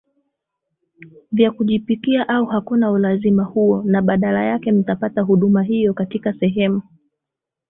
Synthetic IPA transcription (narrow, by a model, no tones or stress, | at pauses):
vjakuʄipikiaʔauhakunaulazimahuɔnaɓaɗalajakɛm̩tapataɦuɗumaɦijɔkatikasɛɦɛmu